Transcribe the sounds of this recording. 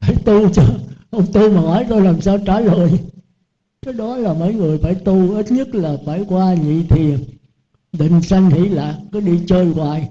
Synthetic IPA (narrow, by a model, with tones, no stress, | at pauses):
faː˧˩jt̪u˧t͡ɕɔ˧ʔə˧wŋ͡mt̪i˧maː˨˩hɔ˨˩jt̪o˧jlaː˨˩msaː˧wt͡ɕaː˧˩ləː˨˩j | t͡ɕə˦˥ɗɔ˨˦laː˨˩mə̰˨˦jŋɨ˨˩əjfaː˧˩jt̪u˧ʔi˦˥t̪̚ɲə˦˥t̚laː˨˩faː˧˩jkwaː˧ɲḭ˧˨t̪ʰi˨˩ən | ɗḭ̈˨ŋ̟sa˧jŋ̟hḭ˧˩˥laː˨˩kːɔ˨˦ɗi˧t͡ɕəː˧jŋwaː˨˩j